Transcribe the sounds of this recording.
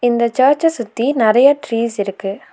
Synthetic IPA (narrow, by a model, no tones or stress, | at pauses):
ɪnd̪ɐt͡ʃaːɾt͡ʃɐsʊt̪ːinɪɾɐjɐʈɾiːsɪɾɯkːɯ